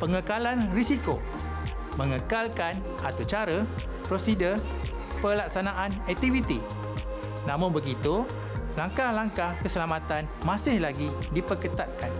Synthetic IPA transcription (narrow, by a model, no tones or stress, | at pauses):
pəŋəkalanrisiko̰ | mə̃ŋəkalkan | at̪ut͡ʃaɾə | pɾosidər | pəlak̚sanaʔanɛk̚t̪ivit̪i | nãmʊnbəɡit̪u | laŋkahlaŋkahkəsəlamãt̪an | mãsɪhlaɡidipəkət̪at̪̚kan